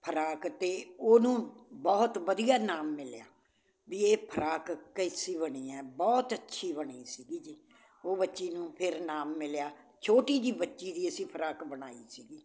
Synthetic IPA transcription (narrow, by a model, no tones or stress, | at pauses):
pʰəɾaːkt̪eːoːnũːbɔːt̪ʋəd̪ijaːnaːmːɪljaː | biːeːpʰəɾaːkkəɪsiːβəɽ̃iːɛːbɔːt̪ətːʃʰiːbəɽiːsiːɡiːd͡ʒiː | oːbətːʃiːnũːpʰɪɾnaːmːɪljaː | t͡ʃʰoːʈiːd̪iːbətːʃiːd̪iːəsĩːpʰəɾaːkbəɽ̃aːḭːsiːɡiː